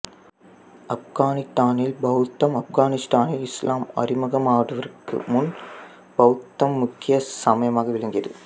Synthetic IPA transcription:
ɐfɣaːnɪst̪aːnɪlbɐwt̪ːɐmɐfɡaːnɪst̪aːnɪlɪslʔaːmɐ̰rɪmɐɣɐmaːɽɯʋɐɾɯkːɯ̰mʊn | b̥ɐwt̪ːɐmːʊkːɪjɐsɐmɐjɐmaːɣɐʋɪɭɐŋɡɪjɐðɯ̰

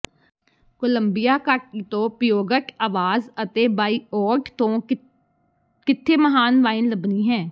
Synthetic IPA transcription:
koləmbɪjaːkaːʈ̚iːt̪õːpɾəjoːɡəkaːʋaːzət̪eːbaːiːɔːʈt̪õː | kɪt̪ʰːeːməɦaːnʋaːɪnləbniːɦɛ̃ː

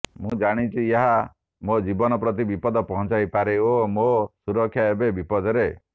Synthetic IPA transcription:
mũd͡ʒaɽ̃it͡ʃʰieɦa | mod͡ʒibɔnɔpɾɔt̪ibipɔd̪ɔpɔɦɔ̃t͡ʃajpaɾeomosuɾɔkʰːjaebebipɔd̪ɔɾe

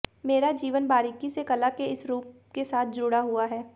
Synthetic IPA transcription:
meːɾad͡ʒiːʋənbaːɾɪkisekɐlakeɪsɾuːp̚ | kesaːt̪̚ʰd͡ʒʊɽaɦʊaɦɛː

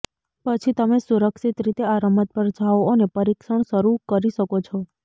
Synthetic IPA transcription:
pət͡ʃʰit̪əmesuɾəkʃit̪ɾit̪eaɾəmət̪̚bəɾd͡ʒaʋonepəɾikʃəɳ̃ʃəɾukəɾiʃəkot͡ʃʰɔ

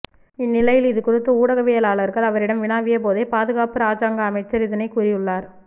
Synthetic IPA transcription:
ɪnːɪlɐjɪlɪðɯkʊrɪt̪ːɐuːɽɐɣɐʋeːjɐlaːɭɐɾɣɐɭɐʋɐɾɪɽɐmʋɪnaːʋɪjɐp̬oːðɐɪpaːðɯɣaːpɯɾaːsaːŋɡɐːmɐɪt͡ʃːɐɾɪðɐnɐɪkʊɾɪjɯɭːaːɾ

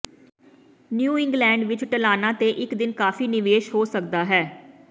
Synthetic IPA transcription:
njuːɪ̃ŋɡlɛ̃ːɳɖʋɪt͡ʃʈəlaːnãːt̪eːʔɪkd̪ɪnkaːfiːnɪʋeːʃɦoːsəkd̪aːɦɛː

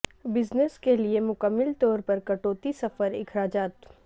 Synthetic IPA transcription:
bɪzneskeliemʊkəmːɪlt̪ɔːɾpɐɾkɐʈoːt̪isɐfəɾɪ̰kɾaːd͡ʒaːt̪

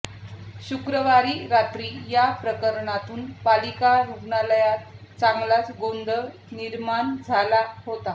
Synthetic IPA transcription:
ɕukɾəʋaɾiːɾat̪ɾiːjapɾəkəɾɳat̪uːnpalikaɾupɳaləjat̪t͡saŋɡlat͡sɡond̪ə | niɾmand͡zʱalaɦot̪a

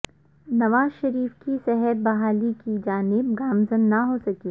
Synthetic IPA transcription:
nɐʋaːzʃɐɾiːfkisɛɦət̪̚bɐɦaːlikid͡ʒaːnɪbɡaːmzənːɐɦosɐkiː

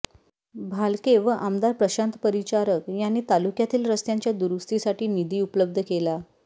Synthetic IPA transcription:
bʱalkeʋəʔamd̪aɾpɾəɕãnt̪pəɾit͡ɕaɾəkjanːiːt̪alukjat̪iːlɾəst̪jaɲt͡ɕjad̪uɾust̪isaʈʰiːnid̪iːupləb̚d̪ʱəkela

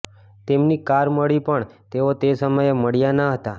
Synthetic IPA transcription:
t̪emnikaɾməɭipəɳt̪eot̪esəməjməɽjanaɦət̪a

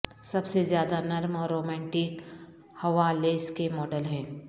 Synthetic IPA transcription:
sɐbsezjaːd̪anɐɾmɔːɾɾoːmɛ̃ːɳʈɪk | hɐʋaleːskemɔːɖəlɦɛ̃ː

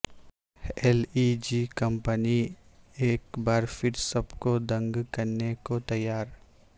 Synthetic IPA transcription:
eːlid͡ʒikɐ̃mpəni | eːkbaːɾfɪɾsɐbkod̪ɐ̃ŋɡkɐɾnekot̪ɐjːaːɾ

